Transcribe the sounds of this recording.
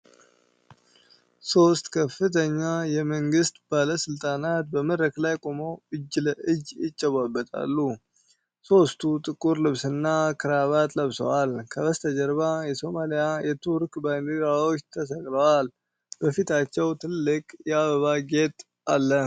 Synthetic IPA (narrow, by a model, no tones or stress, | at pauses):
so̞st̪kʰəfɨt̪ʰəɲːajɛməŋɡɨst̪b̥aləsɨlt̪ʼanat̪̚bəməd̪ɾəklajkʼomoɨd͡ʒːləʔɨd͡ʒjɪt͡ʃʼːɛβabːət̪ʼa̰lːu | so̞st̪ʰut̪ʼɨkʼuɾlɨβsɨnːakʰɨɾaβat̪ʼləβsə̰walkʰəβəst̪ʰəd͡ʒəɾβajɛso̞malijajɛt̪ʰuɾkbaniɾawot͡ʃːt̪ʰəsəɡləwal | bəfit̪ʰat͡ʃːɛwt̪ʰɨlːɨkʼjɛaβəβaɡe̞t̪ʼ | alːə